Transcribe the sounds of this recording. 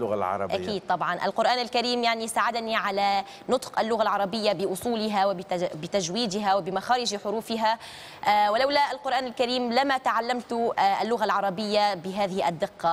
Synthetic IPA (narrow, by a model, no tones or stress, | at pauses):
lʊɣalʕɑ̰ɾˤɑ̰ʔa̰kiːd̪̚t̪ˤɑbʕɑnʔa̰lqʊɾʔaːnalkaɾiːmjaʕnisaːʕad̪niʕala | nʊt̪ˤqʔalːʊɣalʕɑɾˤɑbɪjːabɪʔʊsˤuːlɪɦawbɪt̪aʒwiːd̪ɪɦawɪbɪmaxaːɾɪʒħʊɾuːfɪɦa | wɪlawlaʔalqʊɾʔaːnalkaɾiːmlɪmat̪aʕalːamt̪ʔalːʊɣalʕɑɾˤɑbɪjːabɪɦaːðɪhɪʔa̰d̪ːɪqːɑ